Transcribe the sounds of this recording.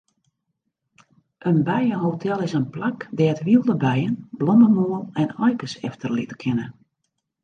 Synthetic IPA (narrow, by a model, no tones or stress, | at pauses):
ʔənbɛjəhotʰɛlˠɪsənplakdɛːtʋilˠdəbɛjənblɔməmoːəlˠɛnɔjkəsɛftʰərlitə̥kʰɪnə